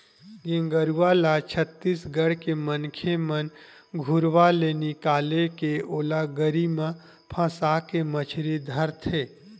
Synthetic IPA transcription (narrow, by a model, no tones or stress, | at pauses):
ɡɪ̃ŋɡəɾualat͡ʃʰət̪ːiːsɡəɽkemənkʰemən | ɡʱʊɾʋalenikaːlekeoːlaɡəɾimã | pʰãːsakemət͡ʃʰɾid̪ʱəɾt̪ʰeː